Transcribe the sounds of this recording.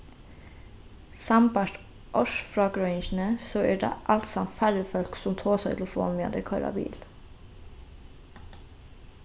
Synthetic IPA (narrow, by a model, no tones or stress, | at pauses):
sɑmbɑʈ | ʔɔʃfɾɑːɡɾʊɪnʃn̩əsoːæːɖḛːʔɑlt̪sɑmt̪fæɹəfœlksʊmt̪ʰoːsæɪt̪ʰlfo̰ːnmḛːd̪əkʰɑɾɑ̰bḭːl